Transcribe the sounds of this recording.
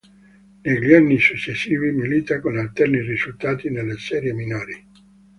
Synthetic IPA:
neʎiarnisut͡ʃːesːiːvimilit̪akonalt̪ɛrnirizult̪aːt̪inelːesɛːɾjeminoːɾi

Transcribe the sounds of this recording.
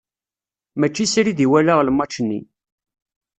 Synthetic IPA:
mæt͡ʃːisɾiðiwælaʁləmːɑt͡ʃːənːḭ

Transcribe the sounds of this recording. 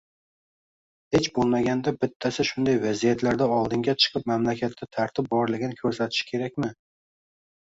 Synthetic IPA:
het͡ʃbolˠmaɡʲand̪abɪt̪ʰːasɪʃʊnd̪ajvazijat̪ʰlaɾd̪aɒlˠd̪ɪŋɡʲat͡ʃʰɨ̥qʰɨp̚mamlakʲʰat̪ʰːʲat̪ʰaɾt̪ʰɪp̚bɒɾlɪɡʲɪnɪkʲʰɵɾsat̪ʰɪ̥ʃkʲʰe̞ɾakʲmɪ

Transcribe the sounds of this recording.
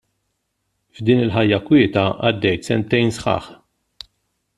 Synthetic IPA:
vd̪iːnɪlħɐjːɐkwɪːt̪ɐʔɐd̪ːɛjt̪sɛnt̪ːɛjnsħɐ̰ːħ

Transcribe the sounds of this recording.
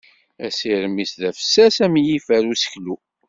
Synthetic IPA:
æsiɾəmisðæfə̥sːæsæmjifæɾusə̥klu

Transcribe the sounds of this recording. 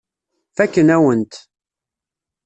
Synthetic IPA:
θækːənæwənt̪

